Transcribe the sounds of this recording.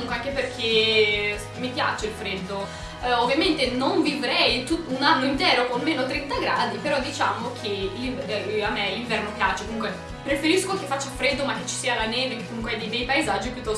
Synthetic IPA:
muŋkweaŋkeperk̟ʰe | mipja̰ːt͡ʃeilfɾɛd̪ːo | ovːjament̪enoɱvivɾɛjt̪ut̪ːunanːoint̪ɛːɾokonmeːnot̪ɾent̪aɡɾaːd̪ipeɾɔd̪ːit͡ʃaːmokʰeliamːeliɱvɛrnopjaːt͡ʃekomuŋk̬we | pɾefeɾiskokefːat͡ʃːafɾɛd̪ːomakːet͡ʃːi̥siːalanɛːvekekːomuŋkweɛd̪id̪ɛjpaezad͡ʒːipjut̪ːɔ

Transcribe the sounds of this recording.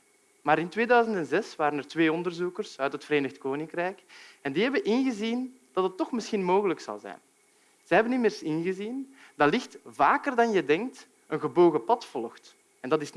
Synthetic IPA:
maːɾɪntʋeːdœːɥzəntɛnzɛsʋaːɾənɛrtʋeːɔndərzukərsœɥtɦətfəɾeːnəxtkoːnɪŋkrɛjkɛndiːɦɛbənʔɪnɣəzin | d̥ɑtətːɔxmɪsxinmoːɣələksɑ̰lˠzɛ̰jn | z̥ɛɦɛbənːimeːrsɪnɣəzin | dɑlɪxtvaːkərdɑnjədɛŋk̚t | ənɣəboːɣəpɑtfɔlˠxt | ɛndɑtɪs

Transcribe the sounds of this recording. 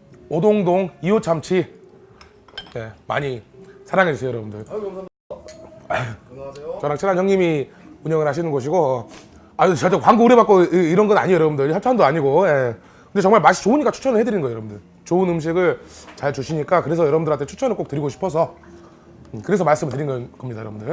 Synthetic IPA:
odoŋdoŋiot͡ɕʰamt͡ɕʰi | je̞ma̰ɲisʰaɾaŋɦed͡ʑisʰeojʌɾʌbundɯɭ | t͡ɕʌnakt͡ɕʰinanjʌŋɲimiuɲʌŋɯɭhaɕ̬ʰinɯnɡʌɕ̬ʰiɡo | at͡ɕat͡ɕ͈ekwaŋɡuuɾebak͈oiɾʌnɡʌna̰ɲiojʌɾʌbundɯɾhjʌt͡ɕʰandoaɲiɡoje̞ | kɯnde̞t͡ɕʌŋmaɭmaɕʰi̥t͡ɕoɯnɲik͈at͡ɕʰu̥t͡ɕʰʌnɯɭhedɯɾinɡʌjʌɾʌbundɯɭ | t͡ɕoɯnɯmɕ̬ʰiɡɯɭt͡ɕaɭt͡ɕuɕʰiɲik͈akɯɾe̞sʰʌjʌɾʌbundɯɾwatʰet͡ɕʰu̥t͡ɕʰʌnɯɭk͈ok̚t͈ɯɾiɡoɕʰi̥pʰʌsʰʌ | kɯɾe̞sʰʌmaɭs͈ɯmɭtɯɾinɡʌnkʌmɲidajʌɾʌbundɯɭ

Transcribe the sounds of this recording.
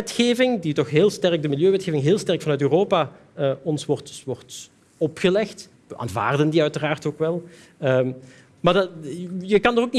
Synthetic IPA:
ɛtxeːvɪŋditɔxɦeːlˠstɛrɡ̚dəmɪlˠjøːʋɛtxeːvɪŋɦeːlˠstɛrkfɑnœɥtøːroːpa | əɔnsʋɔrtʋɔrt | ɔpxəlɛxt | ʋəʔa̰ːnva̰ːrdəndiœɥtəraːrtoːkʋɛlˠ | ə | maːrdjəkɑndɔokni

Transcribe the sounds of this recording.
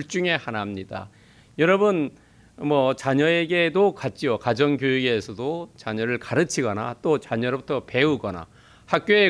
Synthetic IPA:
ɭt͡ɕ͈uŋe̞hanamɲida̰ | jʌɾʌbɯn | mʌt͡ɕaɲʌeɡe̞dokat̚t͡ɕ͈iokad͡ʑʌŋkjojiɡe̞sʰʌdot͡ɕaɲʌɾɯɭkaɾɯt͡ɕʰiɡʌnat͈ot͡ɕaɲʌɾobutʰʌpe̞uɡʌna̰ | hak̚k͈joe

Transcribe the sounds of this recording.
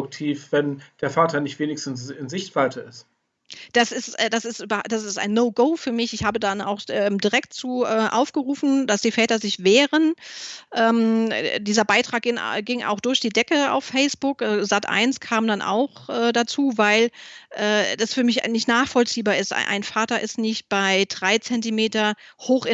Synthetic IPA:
ʊk̚tʰiːfv̥ɛnd̥eːɐfaːtɐnɪçtv̥eːnɪçstn̩sɪnzɪçtv̥altʰəɪst | d̥asɪstʔɛːd̥asɪstːbɐd̥asɪsta̰ɪnːoʊɡoʊfyːɐmɪçɪçhaːbədana̰ʊxʔɛːmdiʁɛk̚tt͡suːʔɛːʔa̰ʊfɡ̥əʁuːfn̩dasd̥iːfɛːtɐzɪçv̥eːʁənʔɛːmdiːzɐbaɪtʁ̥aːk̚ɡɪŋɡɪŋʔa̰ʊxd̥ʊɐçd̥iːdɛkəa̰ʊfːɛɪsb̥ʊkzatʔa̰ɪnskʰaːmdanʔa̰ʊxʔɛːdat͡suːvaɪlʔɛːdasfyːɐmɪçnɪçtnaːχfɔlt͡siːbaːɐɪstʔa̰ɪnfaːtɐʔɪstnɪçt̚b̥aɪd̥ʁaɪt͡sɛntimeːtɐhoːxɪ

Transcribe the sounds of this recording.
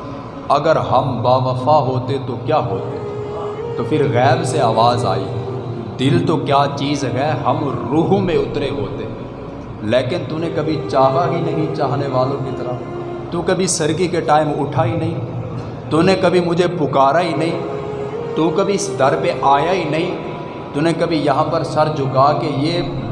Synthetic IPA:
ɐɡəɾɦɐmbaːʋəfaːɦoːt̪et̪okjaːɦoːt̪e | t̪oːpʰɪɾɣɛːbseaːʋaːza̰ːḭːd̪ɪlt̪okjaːt͡ʃiːzɦɛːɦɐmɾuːɦmẽʊt̪ɾeɦoːt̪eɛ | leːkɪnt̪unẽkɐbʱit͡ʃaːɦaɦinɐɦĩt͡ʃaːɦneʋaːlõkit̪əɾa | t̪uːkəbʱisəɾkikeʈaːɪmʊʈʰaːɦinɐɦĩː | t̪ʊnekɐbʱimʊd͡ʒʱepʊkaːɾaɦinɐɦĩː | t̪ukəbʱiɪsd̪ɐɾpeʔaːjaɦinɐɦĩː | t̪ʊnekəbʱijɐɦãːpəɾsɐɾd͡ʒʊkaːkejeː

